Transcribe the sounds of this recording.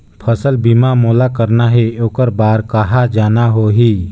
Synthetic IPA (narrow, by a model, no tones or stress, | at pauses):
pʰəsəlbimamoːlakəɾnaɦɛoːkəɾbaːɾkəɦad͡ʒaːnaɦoɦiː